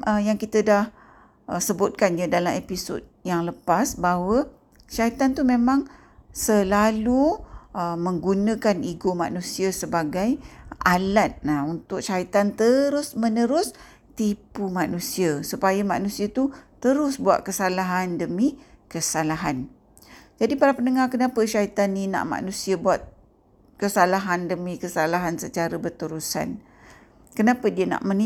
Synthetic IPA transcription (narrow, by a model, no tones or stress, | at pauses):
əjaŋkit̪ədah | ʔəsəbʊt̪̚kanɲadalamepiso̰d̚jaŋləpasbaɦwə | ʃait̪ant̪umẽmãŋ | səlaluʔəməŋɡunə̃kaniɡoma̰ʔnũsiasəbaɡajʔalat̪̚aunt̪ʊk̚ʃait̪ant̪əɾʊsmənəɾʊs | t̪ipumanũsiasupajama̰ʔnũsiat̪ut̪əɾʊsbua̰t̪̚kəsalaɦandəmikəsalaɦan | d͡ʒadipaɾapənəŋakənapəʃait̪anːinã̰ʔma̰ʔnũsiabuat̪̚ | kəsalaɦandəmikəsalaɦansət͡ʃaɾəbərt̪əɾusa̰n | kənapədiəna̰ʔməni